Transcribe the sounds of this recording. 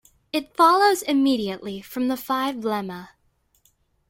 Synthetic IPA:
ɨtfɑlˠoʊzɨmiɾiɨʔˡlifɹʌ̃mðəfaɪvlɛmə

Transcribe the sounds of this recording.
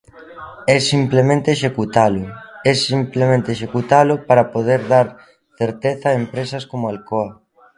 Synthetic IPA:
ɛsimplemẽnt̪eʃekut̪alʊɛsimplemẽnt̪eʃekut̪alʊpaɾapoðeɾðaɾ | θeɾt̪eθaaːempɾesɐskomʊalkoɐ

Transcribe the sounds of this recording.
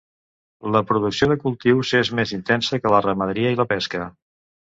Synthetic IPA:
ləpɾuðuksioðəkulˠt̪iwzezmezint̪ɛnsəkələrəməðəɾiəiləpɛskə

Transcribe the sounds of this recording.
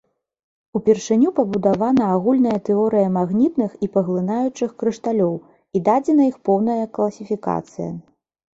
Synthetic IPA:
upʲɛrʂɨnʲupɐbud̪avanɐːɣulʲnɐjɐt̪ɛɔɾɨjɐmaɣnʲit̪nɨxipɐɣlˠɨnajut͡ʂɨxkɾɨʂt̪alʲɔw | id̪ad͡zʲɛnɐixpɔwnɐjɐklˠɐsʲifʲika̰t̪sɨ̰jɐ̰

